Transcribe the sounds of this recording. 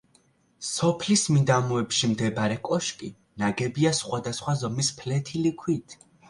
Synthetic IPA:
sɔpʰlismid̪amuɛpʃimd̪ɛbaɾɛkʼɔʃkʼi | naɡɛbiasχwad̪asχwazɔmispʰlɛt̪ʰilikʰwit̪ʰ

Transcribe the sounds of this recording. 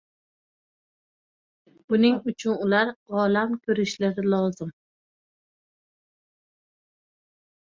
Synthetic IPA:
ʊnɪŋʊt͡ʃʰʊnʊlaɾɒlamkʲʰɵɾɪʃlaɾɪlˠɒzɪm

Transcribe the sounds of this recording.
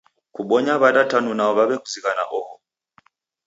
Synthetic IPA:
kuɓɔɲaβaɗatanunaɔβaβɛkuziɣana̰ʔɔhɔ

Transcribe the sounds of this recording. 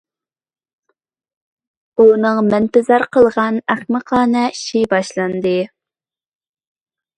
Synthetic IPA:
unɨŋmɛnpɪzɑɾqʰəlˠʁɑnæχməqʰɑːnɛʃibɑʃlˠɑnd̪ɨ

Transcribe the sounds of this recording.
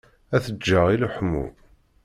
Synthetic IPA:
æθəd͡ʒːaʁiluħmːṵ

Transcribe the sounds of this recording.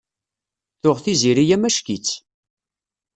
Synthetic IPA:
θʊʁθiziɾijæmæʃkit͡sː

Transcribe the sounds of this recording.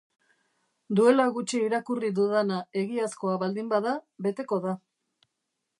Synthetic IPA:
d̪ue̞laɣut͡ʃiiɾakuriðuðanae̞ɣiasko̞aβald̪imbaðaβe̞t̪e̞ko̞ða

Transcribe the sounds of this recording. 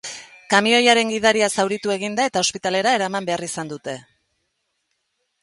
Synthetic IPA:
kamio̞jaɾe̞ŋɡiðaɾiasawɾit̪ue̞ɣind̪ae̞t̪ao̞spit̪ale̞ɾae̞ɾamambe̞arisand̪ut̪e̞

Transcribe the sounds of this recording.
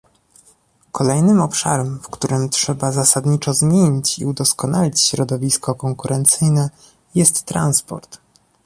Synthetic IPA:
kɔlɛjnɘmɔpʂa̰ɾɛmfkt̪uɾɘmtʂɛbazasad̪ɲit͡ʂɔzmʲjeɲit͡ɕḭud̪ɔskɔnalʲit͡ɕɕɾɔd̪ɔvʲiskɔkɔŋkuɾɛnt̪sɘjnɛ | jɛst̪ːɾa̰nspɔ̰ɾt̪

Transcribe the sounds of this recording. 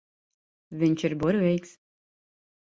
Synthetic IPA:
vʲiɲʲt͡ʃiɾbuɾvʲɛjks

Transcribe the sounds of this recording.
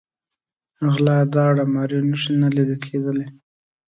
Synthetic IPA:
ɣlɑd̪ɑɽamɑɾenəʃinaliɾikʰed̪əle

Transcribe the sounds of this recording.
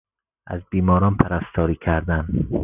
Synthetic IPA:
ʔæ̰zbiːmɒːɾɒːnpʰæɾæst̪ʰɒːɾiːkʰæɾd̪æn

